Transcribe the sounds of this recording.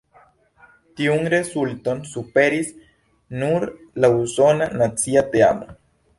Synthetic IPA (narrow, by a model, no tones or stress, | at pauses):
t̪iuŋɾesult̪onsupeɾis | nuɾ | lausonanat͡siat̪ea̰mo̰